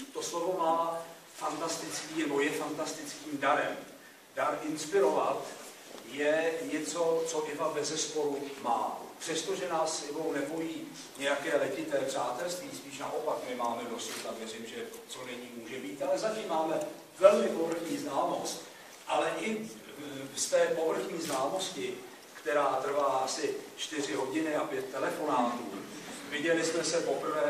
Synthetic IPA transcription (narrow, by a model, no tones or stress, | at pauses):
t̪oslovo̞maː | fant̪ast̪ɪt͡skiːnɛbo̞jɛfant̪ast̪ɪt͡skiːmdaɾɛm | d̥aɾʔɪnspɪɾo̞vat̪ | jɛɲɛt͡so̞t͡so̞ʔɪvabɛzɛspo̞ɾuma̰ːpr̥ɛst̪oʒɛnaːsɪbownɛbojiː | ɲɛjakɛːlɛcɪt̪ɛːpr̝̥aːt̪ɛlst̪viːspiːʃnaʔo̞pakmɪmaːmɛdo̞sut̪avjɛrɪmʒɛt͡so̞nɛɲiːmuːʒɛbiːt̪alɛzaciːmaːmɛ | vɛlmɪpo̞vr̩xɲiːznaːmo̞st̪ | ʔalɛʔɪ | st̪ɛːpo̞vr̩xɲiːznaːmo̞scɪ | kt̪ɛɾaːt̪r̩valaʔasɪt͡ʃt̪ɪrɪɦo̞ɟɪnɪapjɛt̪̚ːɛlɛfo̞naːt̪uː | vɪɟɛlɪsmɛsɛpo̞pr̩vɛː